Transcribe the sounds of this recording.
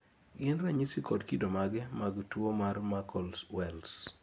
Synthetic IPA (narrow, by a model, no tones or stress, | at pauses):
ɡɪnɾaɲisikɔdkidomaɡɛmaɡtwomarmakʰɔlswɛls